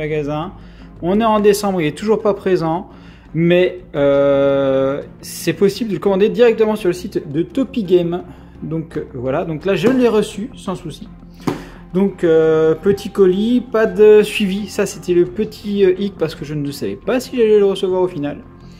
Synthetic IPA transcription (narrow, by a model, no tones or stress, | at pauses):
maɡazɛ̃ | ɔ̃nɛɑ̃d̪esɑ̃bʁilɛt̪uʒuʁpapχezɑ̃ | mɛø | sɛpɔsibld̪ələkɔmɑ̃d̪ed̪iʁɛk̚t̪əmɑ̃syʁləsit̪d̪ət̪ɔpiɡʲɛm | d̪ɔ̃kvwalad̪ɔ̃klaʒəlɛʁəsysɑ̃susi | d̪ɔ̃køpət̪ʰikɔlipad̪əsɥivisaset̪ɛləpət̪ʰiøʔik̚paʁsə̥kəʒənəsavɛ̰pasiʒalɛləʁəsəvwaʁofinal